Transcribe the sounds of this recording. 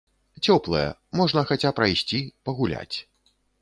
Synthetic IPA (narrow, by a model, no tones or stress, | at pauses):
t͡sʲɔplˠɐ̰jɛ̰mɔʐnɐxat͡sʲapɾajsʲt͡sʲipɐɣulʲa̰t͡sʲ